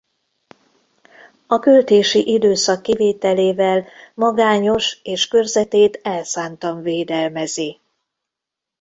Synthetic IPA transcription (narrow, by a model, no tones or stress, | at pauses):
ɒkølt̪eːʃiʔid̪øːsɒkːiveːt̪ɛleːvɛlmɒɡaːɲo̞ʃeːʃkørzɛt̪eːt̪ɛlsaːnt̪ɒɱveːd̪ɛlmɛziː